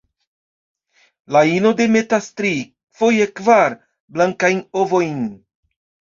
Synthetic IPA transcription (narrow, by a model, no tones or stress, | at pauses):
laino̞de̞me̞tastɾi | fo̞jekvaɾ | blaŋkajnovo̞jn